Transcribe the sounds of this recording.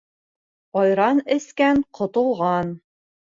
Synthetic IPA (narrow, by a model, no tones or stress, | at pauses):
ɒjɾɑnɘ̆skæɴqʰŏt̪ŏlˠʁɑn